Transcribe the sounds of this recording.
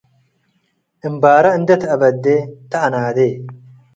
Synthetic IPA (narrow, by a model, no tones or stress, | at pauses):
ʔɨmbaːɾɐɨnd̪ɐt̪ɐbɐd̪ːeːt̪ɐʔɐnaːd̪eː